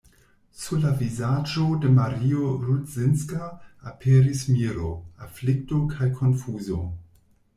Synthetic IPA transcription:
sulavizad͡ʒodemaɾioɾutzinskaːpʰeɾismiɾo̰aflik̚tokʰajkʰonfuzo̰

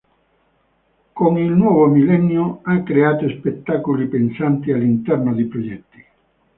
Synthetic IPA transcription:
koŋilnwɔːvomilɛnːjoakːɾeaːt̪oespet̪ːakolipensant̪ialːint̪ɛrnod̪ipɾod͡ʒɛt̪ːi̥

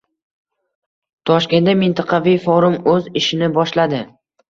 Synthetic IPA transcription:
t̪ʰɒʃkʲe̞namɪnt̪ʰɪqʰɑvijfɒɾʊmɵzɪʃɪnɪbɒʃlad̪ɪ

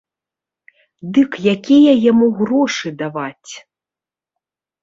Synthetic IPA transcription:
d̪ɨkjakʲijɐjamuɣrɔʂɨd̪avat͡sʲ

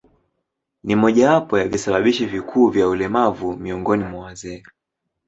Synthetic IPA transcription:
nimɔʄawapɔjavisaɓaɓiʃivikʰuːvjaulɛmavumiɔŋɡɔnimwawazɛː

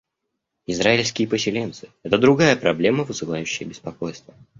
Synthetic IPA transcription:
ɪzɾaɪlʲskʲɪjəpəsʲɪlʲe̞nt̪sɨ̥ɛt̪əd̪ɾʊɡajəpɾɐblʲe̞məvɨzɨlˠajʉɕːɪjəbʲɪspɐko̞jst̪və

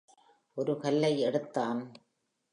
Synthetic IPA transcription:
ʔɔɾɯkɐlːɐɪɛɽɯt̪ːaːn

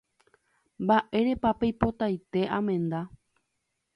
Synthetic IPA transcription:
mbaʔe̞ɾe̞papejpo̞t̪ajt̪e̞ʔãmẽ̞nd̪a

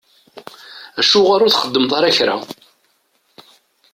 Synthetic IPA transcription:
æʃːʊʁaɾʊθχəd̪ːəmt̪ˤɑɾaçɾa̰

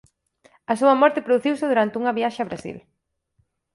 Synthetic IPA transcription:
ɐsuɐmɔɾt̪ɪpɾoðuθiwsɪðuɾant̪ɪuŋɐβiaʃɐaβɾasḭl

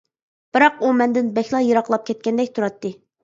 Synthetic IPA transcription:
b̥ɨɾɑqumɛnd̪ɪnbɛxʲlˠɑjəɾɑqlˠɑp̚kʲʰɛt̪̚kʲɛnd̪ɛkʲt̪ʰuɾɑt̪ːɨ

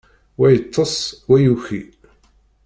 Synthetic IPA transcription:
wæjət̪ʰˤːəsˤwæjuçi

